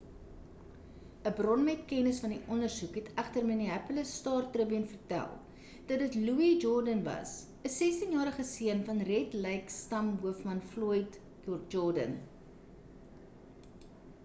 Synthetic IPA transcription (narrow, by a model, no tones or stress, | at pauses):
əbrɔnmɛtkɛnəsfɐniʔɔndərsukɦɛtʰæχtərməniæpələstɑːrtrəbinfərtæ̰lˠ | d̥ɐtdətluid͡ʒɔrdənvɐ̰s | əsɛstinjɑːɾəχəsiənfɐnrɛtlɛjkstɐmɦuəfmɐnfluəjt | d͡ʒɔrdə̰n